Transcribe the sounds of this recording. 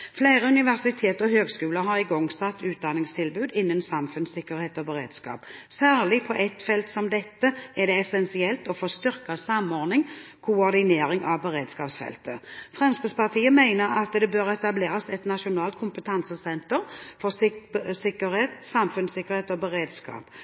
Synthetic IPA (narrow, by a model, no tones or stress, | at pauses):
fleɪʁəʉnɪʋæʁsɪt̪ʰeːt̪ɔhøːɡskʉːləɦɑʁɪɡɔŋsɑt̪ːʉːt̪̚d̪ɑnːɪŋst̪ʰɪlbʉːd̪ɪnːənsɑmfʉnsɪkːəʁheːt̪ɔbəʁḛːd̪skɑ̰ːpsæːʁlɪpʰɔʔɛt̪fɛlt̪sɔmd̪ɛt̪ːəæd̪ɛɛsɛnsɪɛlt̪ɔfoːst̪ʏʁkɑsɑmːɔʁnɪŋ | kʰʊɔʁd̪ɪneːɾɪŋʔɑʋbəʁeːd̪skɑːpsfɛ̰lt̪əfʁɛmskɪspɑʁt̪ʰiːəmæɪnəɾɑt̪d̪ɛbøʁɛt̪ɑbleːɾɑsɛt̪nɑʃʊnɑːlt̪̚kʰʊmpət̪ʰɑnsəsɛnt̪əʁfɔsɪkəeːt̪sɑmfʉnsɪkːəʁheːt̪ɔbəʁeːd̪skɑ̰ːp